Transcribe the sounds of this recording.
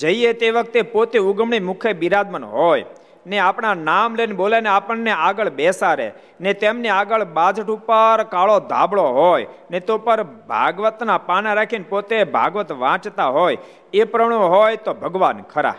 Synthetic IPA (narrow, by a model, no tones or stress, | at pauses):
d͡ʒəiet̪eʋək̚t̪epot̪euɡmɳ̃imʊkʰebiɾad̪mənɦɔj | neapɳ̃anamlenboleneapəɳːeaɡəɭbɛsaɾḛ | net̪emneaɡəɭbad͡ʒʱəʈupəɾkaɭod̪ʱa̰bɭoɦɔjnet̪opəɾbʱa̰ɡʋət̪napanaɾakʰinpot̪ebʱa̰ɡʋət̪ʋãt͡ʃt̪aɦoj | epɾəɽ̃õɦɔjt̪obʱəɡʋankʰəɾa̰